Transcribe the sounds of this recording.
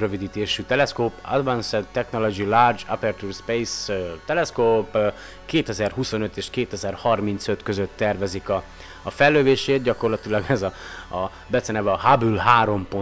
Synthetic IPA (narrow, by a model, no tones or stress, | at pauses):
røvid̪iːt̪eːʃyt̪ɛlɛskoːpa̰d̪vansɛt̪ːɛkno̞lo̞d͡ʒilaːrd͡ʒapɛrt̪uːrspejst̪ɛlɛskoːp | keːt̪ɛzɛrɦuso̞nøt̪eːʃkeːt̪ɛzɛrhɒrmint̪søt̪kø̞zøt̪ːɛrvɛzikɒː | fɛlːøːveːʃeːt̪̚ɟɒko̞rlɒt̪ilɒɡɛzɒ | bɛt̪sɛnɛbɛɒɦabylɦaːɾo̞mpo